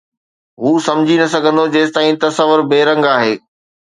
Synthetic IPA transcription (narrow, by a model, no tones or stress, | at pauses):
ɦuːsɐmd͡ʑʱinɐsɐɡʱə̃nd̪od͡ʑeːst̪aːĩt̪ɐsəʋʊɾbeːɾɐ̃ŋɡaːɦeː